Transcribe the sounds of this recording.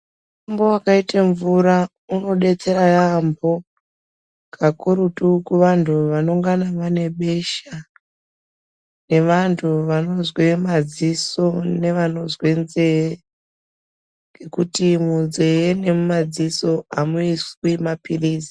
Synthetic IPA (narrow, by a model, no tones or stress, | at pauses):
ambo̞wakaitaɱvuɾa | uno̞ɗe̞t͡se̞ɾajambo̞ | kʰakuɾutukuʋantʰuʋano̞ŋɡanaʋane̞ɓe̞ʃa | ne̞ʋantʰuʋano̞zwemad͡ziso̞ne̞ʋano̞zwe̞nze̞je | ŋɡʱe̞kutimunze̞jene̞mumad͡ziso̞amuiswimapiriːzi̥